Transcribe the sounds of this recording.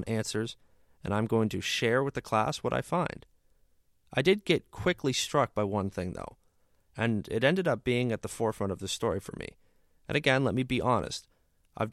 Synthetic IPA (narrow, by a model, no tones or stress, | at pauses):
nʔæ̃nsə˞z | ɨ̃ñãɪ̃mɡoʊɪ̃ŋtʰɨʃɛɹwɨðɨkʰl̥æ̰swʌɾʔa̰ɪfãɪ̃nd̥ | ʔaɪdɨd̚ɡɛt̚kʰw̥ɪkʰlistɹ̥ʌk̚b̥aɪwʌ̃nθɪ̃ŋðo̰ʊ | ɨ̃nɪ̰ɾɛ̃ndɨɾʌp̚b̥iɪ̃ŋɨt̪̚ðəfɔɹfɹʌ̃ɾ̃ʌvðɨstɔɹifə̰˞mḭ | ʔɨ̰̃ñɨɡɛ̃nlɛt̚mibiʔɑnʔɨ̰st | ʔaɪv